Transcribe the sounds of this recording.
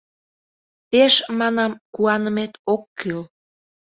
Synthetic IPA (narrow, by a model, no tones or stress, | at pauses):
peʃmɑnɑmkuɑnə̆met̪okːyl